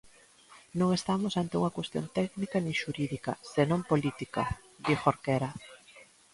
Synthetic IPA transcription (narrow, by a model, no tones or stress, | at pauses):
nõŋest̪amosant̪euŋɐkwest̪jo̰nt̪ɛknikɐnĩŋʃuɾiðikɐ̰senõmpolit̪ikɐ̰ | d̪ixoɾkeɾa